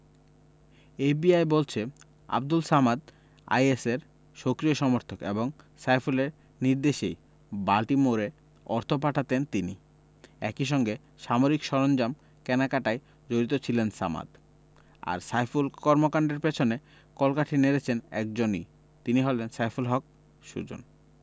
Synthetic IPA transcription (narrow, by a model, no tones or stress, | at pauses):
ebiajbolt͡ɕʰe | a̰b̚d̪ulsamad̪ | a̰jeseɾ | ʃokɾioʃɔmoɾt̪ʰokḛboŋ | sajfuleɾ | niɾd̪eʃej | balʈimoɾe | ɔɾt̪ʰop̬aʈʰat̪ent̪ini | ɛ̰kiʃ̬ɔŋɡe | ʃamoɾikʃɔɾond͡ʑam | kɛnakaʈaj | d͡ʑoɾit̪ot͡ɕʰilensama̰d̪ | a̰ɾsajfulkɔɾmokaɳɖeɾpet͡ɕʰone | kɔlkaʈʰineɾet͡ɕʰenɛk̚d͡ʑonḭ | t̪iniɦolensajfulɦɔk̚ | ʃṵd͡ʑo̰n